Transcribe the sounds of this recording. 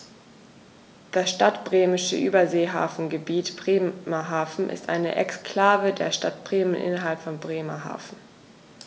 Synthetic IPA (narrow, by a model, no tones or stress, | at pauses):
d̥asʃtatb̥ʁeːmɪʃə̰ʔyːbɐzeːɦa̰ːfn̩ɡəbiːtb̥ʁeːmaɦaːfn̩ʔɪ̰stʔa̰ɪnə̰ʔɛkskʰl̥aːvədeːɐʃtat̚b̥ʁeːmənʔɪ̰nɐɦalpfɔnbʁeːmaɦa̰ːfn̩